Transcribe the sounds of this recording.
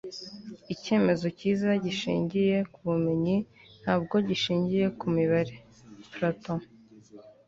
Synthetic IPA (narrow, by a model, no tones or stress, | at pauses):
ice̞ːme̞zo̞ciːzaɟiʃḭːɲɟije̞kuβume̞ɲi | n̥haːb̚ɡo̞ɟiʃiːɲɟije̞kumiβaɾe | pɾatõ